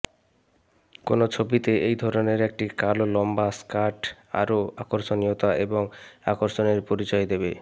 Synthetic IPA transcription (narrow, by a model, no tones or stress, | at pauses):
konot͡ɕʰobit̪eejd̪ʱɔɾoneɾek̚ʈikalolɔmbaskaʈ | a̰ɾoakoɾʃoniot̪aeboŋa̰koɾʃoneɾpoɾit͡ɕɔjd̪ebe